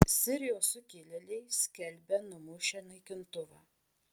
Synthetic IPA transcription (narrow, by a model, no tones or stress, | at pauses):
sʲɪɾʲɪjoːsʊkʲɪlʲɪlʲɛɪsʲkʲɛlʲbʲɛnʊmʊʃʲɛnɐɪkʲɪnt̪ʊʋɑː